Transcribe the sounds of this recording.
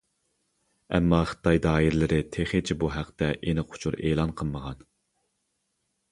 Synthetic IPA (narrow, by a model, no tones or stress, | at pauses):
ɛ̰mːɑχə̥t̪ʰɑjd̪ɑːiɾlɪɾɪt̪ʰeχet͡ʃʰibuɦæqt̪ɛʔenɪqʰʊ̥t͡ʃʰuɾḛːlˠɑnqʰəlˠməʁɑn